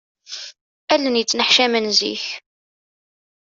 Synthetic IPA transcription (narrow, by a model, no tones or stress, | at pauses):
ælːənjət͡sːnəħʃæmənzḭç